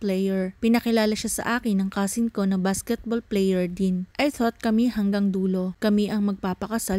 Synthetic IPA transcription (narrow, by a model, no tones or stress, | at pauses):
plɛjɛɹpɪnɐkɪlaːlɐʃasɐ̰ʔaːkɪnːɐŋkaːsɪnko̞nɐŋbaskɛt̪̚bolplɛjɛɹd̪inʔɐjθot̪̚kɐmihɐŋɡaŋd̪uːlo̞kɐmiʔɐŋmɐɡ̚paːpɐkɐsa